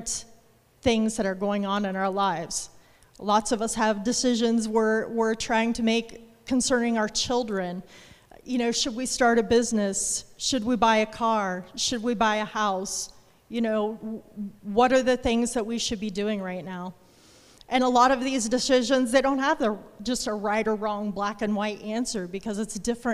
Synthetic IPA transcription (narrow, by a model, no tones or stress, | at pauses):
θɪ̃ŋzðɨɾə˞ɡoʊɪ̃ŋə̃nɨ̃ñaʊə˞laɪvz̥ | lɔtsʌvʌshəvdɨsɪʒɨ̃nzwɪɹwɪɹtʰɹ̥aɪɪ̃ŋtʰɨmeɪkʰː | ɨ̃n̩sɜ̃˞nɪ̃ŋaʊə˞t͡ʃʰɪlˠdɹɨ̃njɨnoʊʃɨd̚wistɑɹɾɨbɪznɨsʃɨd̚wibaɪɨkʰɑɹʃɨd̚wibaɪɨhaʊs | jɨnoʊ | wʌɾə˞ðɨθɪ̃ŋzðɨt̚wiʃɨd̚bidʉɪ̃ŋɹaɪtⁿnaʊ | ʔɨ̃nəlɔɾʌvðizdɨsɪʒɨ̃nzðeɪɾõʊ̃nt̚həvðəd͡ʒʌstəɹaɪɾə˞ɹɔ̃ŋblækɨ̃nwaɪɾæ̃nsə˞bɨkʰʌzɨtsd̥ɪfɹɨ̃